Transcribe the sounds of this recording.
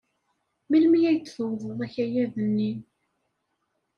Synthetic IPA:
milmijæjt͡s̪ːθəwðˤəðˤæçæjæðənːi

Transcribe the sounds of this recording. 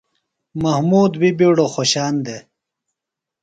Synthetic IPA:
mɐhmuːd̪bibiɽoxoɕaːnd̪e

